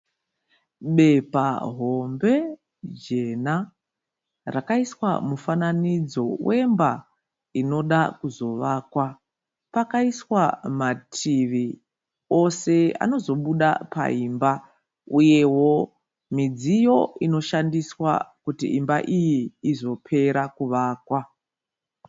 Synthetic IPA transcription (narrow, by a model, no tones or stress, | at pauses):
ɓe̞pa̰ɦo̞mbe̞ | d͡ʒe̞na | rakaiswa̰mufananid͡zo̞we̞mba | ino̞ɗakuzo̞ʋaːkwa | pakaiswamatʰiʋi | o̞se̞a̰no̞zo̞ɓuɗa̰pa̰imba | uje̞wo̞ | mid͡zijo̞ino̞ʃandiswa̰kutiʔimba̰ʔijiːzo̞pʰe̞ɾakuʋaːkwa